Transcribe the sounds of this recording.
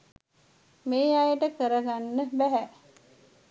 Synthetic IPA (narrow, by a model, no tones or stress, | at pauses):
meːajəʈəkəɾəɡanːəbæɦæ